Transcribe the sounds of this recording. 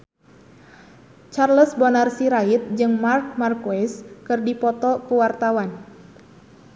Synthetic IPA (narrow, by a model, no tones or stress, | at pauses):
t͡ʃarləsbɔnarsiɾait̪̚d͡ʒɨŋmark̚markoɛskɨrdipɔt̪ɔkuwart̪awan